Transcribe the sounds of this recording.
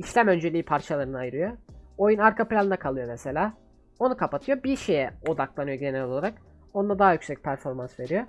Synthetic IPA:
iʃlʲæmønd͡ʒe̞lʲiːpʰaɾt͡ʃʰalˠaɾɯnɯajɯɾɯjoojunaɾkʰaplʲanɯnakʰalˠɯjo̞nese̞lʲaː | o̞nukʰapat̪ʰɯjo̞biɾʃe̞jɛo̞d̪aklˠanɯjoɟe̞neɾoolˠaɾak | o̞nd̪ad̪aɦajycsɛc̚pʰæɾfo̞ɾmansve̞ɾijo̞

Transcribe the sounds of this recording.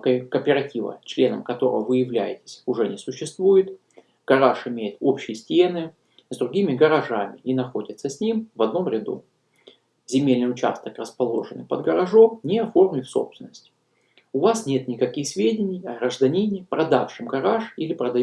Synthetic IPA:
kəkəpʲɪɾɐtʲivə̰t͡ɕlʲe̞nə̰mkɐt̪o̞ɾə̰vəvɨjɪvlʲæjɪtʲɪ̥sʲʊʐɛnʲɪsʊɕːɪst̪vujɪt̪ | ɡ̥ɐɾaʂɪmʲejɪt̪o̞pɕːɪjəsʲtʲe̞nɨ | zd̪ɾʊɡʲimʲɪɡəɾɐʐamʲɪʔinɐxodʲɪt̪səsʲnʲimvɐd̪̚no̞mɾʲɪd̪ṵ | zʲɪmʲelʲnɨjʊt͡ɕa̰st̪əkrəspɐlˠo̞̰ʐɨnɨ̰pəd̪ɡəɾɐʐo̞mnʲɪɐfo̞rmʲɪfso̞̰psvʲɪnːəsʲtʲ | ʊvasnʲe̞t̪nʲɪkɐkʲixsʲvʲedʲɪnʲɪjɐɡɾəʐd̪ɐnʲinʲɪjpɾɐd̪afʂɨmɡɐɾaʂilʲɪpɾəd̪ɐ

